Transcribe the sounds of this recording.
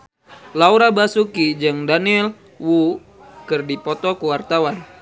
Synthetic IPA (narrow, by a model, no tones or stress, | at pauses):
lauɾabasukid͡ʒɨŋdaniɛl | wu | kɨrdipɔt̪ɔkuwart̪awan